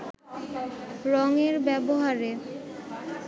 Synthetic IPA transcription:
ɾɔŋeɾbɛboɦaɾe

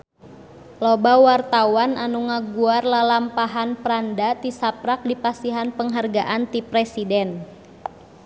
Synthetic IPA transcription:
lobawart̪awananuŋaɡuarlalampaɦanpɾandat̪isapɾak̚dipasiɦanpəŋɦarɡaʔant̪ipɾɛsidɛn

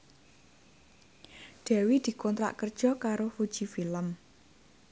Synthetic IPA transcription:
ɖ̪̥ɛ̤wid̪̥i̤kɔnt̪ɾa̰ʔkərd̥ʒ̥ɔ̤kaɾofud̥ʒ̥ifiləm

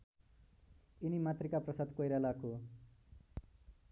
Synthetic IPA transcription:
inimat̪rikaprʌsad̪kojɾalakʰo

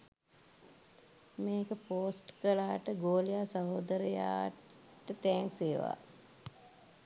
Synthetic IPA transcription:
meːkəpoːsʈkəlaːʈəɡoːlijaːsaɦoːd̪əɾəja̰ː | ʈət̪ɛːŋseːʋa̰ː

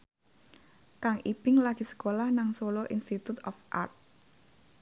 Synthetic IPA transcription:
kaŋib̥ɪŋlaɡ̥i̤sə̥kolahnaŋsoloʔinst̪it̪ut̪ɔfʔa̰rt̪̚

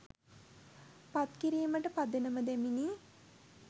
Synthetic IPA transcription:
pat̪kiɾiːməʈəpad̪enəməd̪æmini

